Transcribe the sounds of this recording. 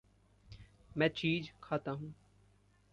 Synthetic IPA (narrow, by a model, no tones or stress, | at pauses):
mɛ̃ːt͡ʃiːd͡ʒkʰaːt̪aɦũː